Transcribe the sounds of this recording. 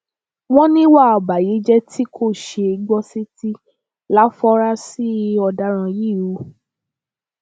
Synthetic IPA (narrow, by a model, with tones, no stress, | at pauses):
w̃ɔ̃˦nĩ˦wa˦˨ɔ˨ba˨ji˨˦d͡ʒɛ˦tʰi˦kʰo˦˨ʃe˧i˧ɡ͡bɔ˦si˦ti˦ | la˦fɔ˦ɾa˦si˦ɔ˧da˧ɾ̃ã˧ji˦˨ɾu˨˦